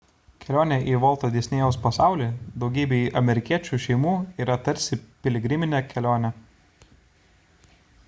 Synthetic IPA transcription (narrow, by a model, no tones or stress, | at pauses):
kʲɛlʲoːnʲɛʔiːʋɔlˠt̪oːd̪ʲeɛsʲnʲeːjɛʊspɐsɑˑʊlʲiːd̪ɒʊɡʲiːbʲeːiːʔɐmʲɛɾʲɪkʲiɛt͡ʃʲuːʃʲɛɪmuːiːɾɐt̪ɐɾʲsʲɪpʲɛlʲɪɡʲɾʲɪmʲɪnʲɛkʲɛlʲoːnʲɛ